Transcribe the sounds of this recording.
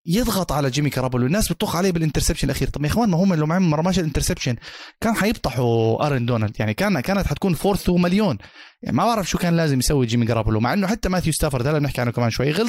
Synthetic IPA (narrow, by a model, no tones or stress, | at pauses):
jɨðˤɣɑt̪ˤʕalad͡ʒɪmiɡɑɾˤɑbʊluwɪnːaːsbɨt̪ˤːuːxʕaleːbɪlʔɪnt̪ɪɾˤsepʃnɪlʔaxiːɾt̪ˤɑbmajʔxwaːnmahuːmːɪnlawmahɪmːmɑrˤːɑmaːʃ̬ɪlʔɪnt̪ɪɾsepʃankaːnħajɪbt̪ˤɑħuʔa̰ɾˤɪnd̪oːnald̪jaʕnikaːnkaːnat̪ħat̪akuːnfoːɾθwmaljoːn̰ | mabaʕɾɪfʃuːkaːnlaːzɪmjsawːid͡ʒɪmiɡɑɾˤɑbɪlumaʕʔanːʊħat̪ːamaːt̪jʊst̪aːfɑɾˤd̪alːanɪħkiʕanːʊkamaːnʃwajːaɣalt̪ˤ